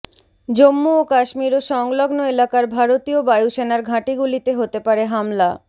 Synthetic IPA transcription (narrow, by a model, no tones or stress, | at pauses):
d͡ʑomːuokaʃmiɾoʃɔŋloɡnoelakaɾbʱaɾot̪iobajuʃenaɾɡʱãʈiɡulit̪eɦot̪epaɾeɦamla